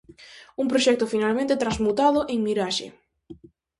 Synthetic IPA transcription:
uŋpɾoʃɛk̚t̪ʊfinalmẽnt̪et̪ɾanzmut̪aðʊʔeŋmiɾaʃḛ

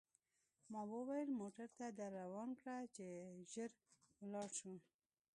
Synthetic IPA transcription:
mɑwəwajəlmoʈaɾt̪ad̪aɾːawɑnkɽat͡ʃeʒəɾ | wlɑɽʃu

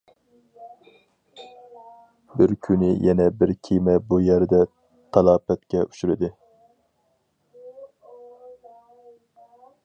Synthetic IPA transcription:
bɪɾkʲʰynɪjʔɛnɛbɪɾkʲʰimɛbujæɾd̪ɛ | t̪ʰɑlˠɑːpɛt̪kʲɛʔyʃyɾɪd̪ɪ

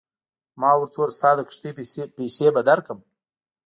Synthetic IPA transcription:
mɑːwəɾt̪ʰoɾst̪ɑːd̪əkʂt̪ipesebad̪aɾkəm

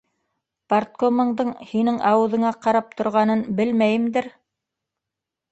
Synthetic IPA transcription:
part̪̚komɤ̆ɴd̪ɤɴhinɘŋɑwɤ̆ðɤ̆ɴɑqɑɾɑp̚t̪ʰŏɾʁɑnɤnbɘlmæjɘ̆md̪ɘɾ

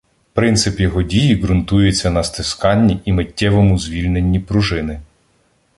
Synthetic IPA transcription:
pɾɪnt̪sɪpjɔɦɔdʲijiɡɾʊnt̪ujet͡sʲːɐnɐst̪ɪskɑnʲːiʔimetʲːɛʋɔmʊzʲʋʲilʲnenʲːipɾʊʒɪnɪ

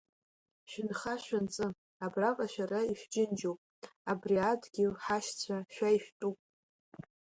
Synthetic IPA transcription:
ʃᶣɪnχaʃᶣʷant͡sʼɨ | abravʼaʃᶣaraiʃᶣd͡ʒɪnd͡ʒopʼabriadɡʲɪlħaʃt͡sʷʰaʃᶣaiʃᶣtʼupʼ

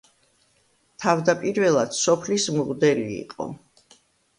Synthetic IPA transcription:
t̪ʰavd̪apʼiɾvɛlˠad̪̥sɔpʰlismʁd̪ɛlḭːqʼɔ̰

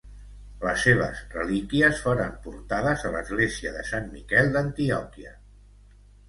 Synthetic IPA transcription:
ləsːeβə̰zrəlikiəsfoɾəmpuɾt̪aðəzələzɣleziəðəsanmikɛlˠd̪ənt̪iɔkiə̰

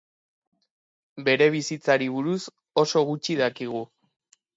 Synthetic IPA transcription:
be̞ɾe̞β̞isit͡saɾiβuɾus | o̞so̞ɣut͡ʃiðakiɣ̞u

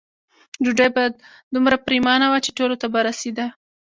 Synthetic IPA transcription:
d͡ʒuɖajbɑjad̪̚ | d̪umɾapɾimɑnawat͡ʃeʈolot̪abaɾased̪a

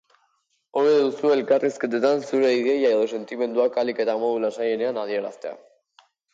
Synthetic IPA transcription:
o̞βeðusue̞lkarisket̪et̪ansuɾe̞iɣe̞jaeðo̞se̞nt̪ime̞nd̪uakalike̞t̪amo̞ðulasaje̞ne̞anaðie̞ɾast̪e̞a̰

